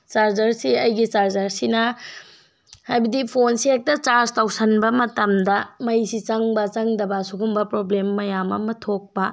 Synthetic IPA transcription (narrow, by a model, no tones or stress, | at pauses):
t͡ʃaɾzɐɾsiɐjɡit͡ʃaɾzɐɾsinɐ | hajbɐdipʰonsiek̚tɐt͡ʃaɾztʰawsɐnbɐmɐtɐmdɐmɐjsit͡ʃɐŋbɐt͡ʃɐŋdɐbɐsukumbɐpɾoblemːɐjamɐ̰mɐtʰok̚pɐ